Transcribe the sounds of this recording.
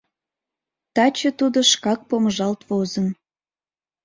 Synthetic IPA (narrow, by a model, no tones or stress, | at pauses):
t̪ɑt͡ɕət̪ud̪oʃkɑk̚poməʒɑlt̪vozən